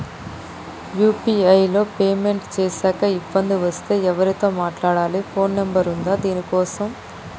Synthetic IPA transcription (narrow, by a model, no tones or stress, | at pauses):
juːpiːɐjlo̞ːpeːme̞ɳʈt͡ʃeːsaːkɐibːɐnd̪iʋɐst̪e̞ːɛʋɐɾit̪o̞ːmaːʈlaːɽaːlipʰo̞ːnːembɐɾund̪aːd̪iːnikɔːsɐm